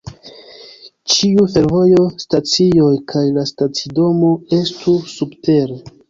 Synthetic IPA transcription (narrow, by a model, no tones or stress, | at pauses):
t͡ʃiufe̞ɾvo̞jo̞stat͡sio̞jkʰajlastat͡sido̞mo̞e̞stʰusubte̞ɾe